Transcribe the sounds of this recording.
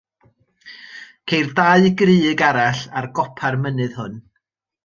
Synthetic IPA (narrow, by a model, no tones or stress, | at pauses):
kʰejrdaɨɡrɨːɡaɾaɬarɡɔpʰarmənɨð̥hʊn